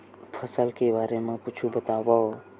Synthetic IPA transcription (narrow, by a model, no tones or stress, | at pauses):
pʰəsəlkebaːɾemẽkʊt͡ʃʰubət̪aːwaɦo